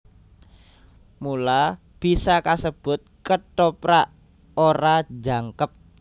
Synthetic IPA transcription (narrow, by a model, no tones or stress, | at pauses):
mula | b̥i̤sakasəb̥ʊ̤t̪̚kəʈopɾaʔ | oɾad͡ʒa̤ŋkəp̚